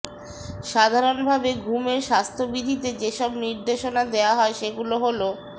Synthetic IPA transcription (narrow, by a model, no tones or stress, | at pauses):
ʃad̪ʱaɾonbʱabeɡʱumeɾʃast̪ʰobid̪ʱit̪ed͡ʑeʃɔbniɾd̪eʃonad̪eoaɦɔeʃeɡuloɦolo